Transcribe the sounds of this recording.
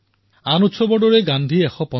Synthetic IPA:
anutsʰɔbɔɖɔɾeɡand̪ʱiɛxʰɔpɔ

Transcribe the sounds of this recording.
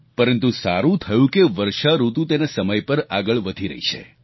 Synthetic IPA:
pəɾənt̪usaɾũt̪ʰəjũkeʋəɾʃaɾut̪ũt̪enasəməjpəɾaɡəɭʋəd̪ʱiɾə̰ɦit͡ʃʰḛ

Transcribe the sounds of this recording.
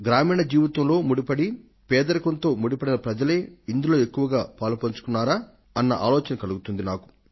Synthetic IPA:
ɡɾaːmiːɳɐd͡ʒiːʋɐt̪ɐmlo̞ːmuɽipɐɽi | pɛːd̪ɐɾɐkɐnt̪o̞ːmuɽipɐɽinɐpɾɐd͡ʒɐle̞ːind̪ulo̞ːe̞kːuʋɐɡaːpaːlupɐɲt͡ʃu̥kunːaːɾaː | ɐnːɐʔa̰ːlɔːt͡ʃɐnɐkɐluɡut̪und̪inaːku̥

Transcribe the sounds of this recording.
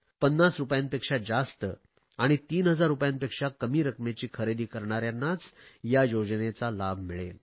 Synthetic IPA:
pənːasɾupjãnpekʂad͡zast̪ə | aɽ̃it̪iːnɦəd͡zaɾːupjãnpekʂakəmiːɾəkmet͡ɕiːkʰəɾed̪iːkəɾɳ̃aɾjanːat͡sjajod͡znet͡salabʱmiɭḛl

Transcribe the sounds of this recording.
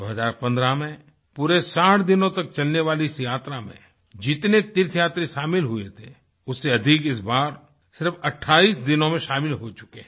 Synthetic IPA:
d̪oːɦəzaːɾpɐ̃nd̪ɾamẽ | puːɾesaːʈʰd̪ɪnõt̪ɐk̚t͡ʃɐlneʋaːliɪsjaːt̪ɾamḛ̃ | d͡ʒɪt̪net̪ɪɾsʰjaːt̪ɾeʃaːmɪlɦʊḛt̪ʰḛ | ʊsːeɐd̪ʱɪkɪs̬baːɾ | sɪɾfɐʈʰːaːiːsd̪ɪnõmẽʃaːmɪlɦot͡ʃʊ̥ke

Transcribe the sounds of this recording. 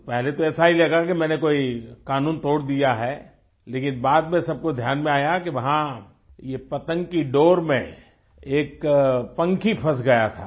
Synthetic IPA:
pɛɦlet̪oɛːsaɦilɐɡakimɛ̃ːnekoːikaːnuːnt̪oːɽd̪ijaɦɛ | leːkɪnbaːd̪mẽsɐb̚kod̪ʱjaːnmẽaːjakiʋɐɦã | jepɐt̪ə̃ŋɡkiɖoːɾmḛ̃ | eːkpɐ̃ŋkʰipʰɐs̬ɡɐjat̪ʰa̰ː

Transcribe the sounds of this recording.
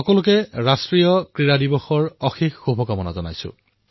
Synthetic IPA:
xɔkɔlʊkɛɹastɹijɔkɹiɹadibɔxɔɹɔxixːubʱɔkamɔna̰zɔna̰jsʊ̰

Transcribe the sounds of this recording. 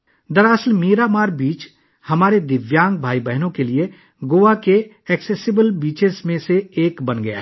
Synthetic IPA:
d̪ɐɾəsəlmiːɾamaːɾbiːt͡ʃ | hɐmaːɾed̪ɪʋjãːŋɡ̚bʱaːibɛɦnõkelie | ɡoːʋake | ɛːkseːsɪbəlbiːt͡ʃezmẽseːkbɐnɡɐja̰

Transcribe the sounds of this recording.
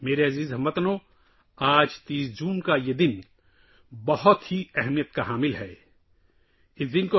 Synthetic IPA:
meːɾeɐziːzɦɐmːɐt̪nõ | aːd͡ʒt̪iːsd͡ʒuːnkajed̪ɪn | bɐɦʊt̪ɦiɛɦmijət̪kaɦaːmɪlɦɛː | ɪsd̪ɪnko

